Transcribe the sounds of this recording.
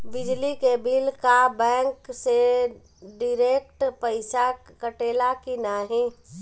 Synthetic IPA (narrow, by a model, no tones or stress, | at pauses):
bɪd͡ʒlikebʱilkabɛ̃ːŋkse | ɖɪɾeːk̚ʈpəɪsa | kəʈeːlakinaːɦĩ